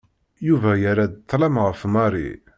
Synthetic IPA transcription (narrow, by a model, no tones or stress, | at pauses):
juvæjaɾad̪t̪ˤːlæmʁəfmɑɾˤḭ